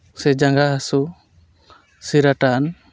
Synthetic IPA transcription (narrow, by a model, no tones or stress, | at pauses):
sɛd͡ʒaŋɡaɦasu | siɾaʈan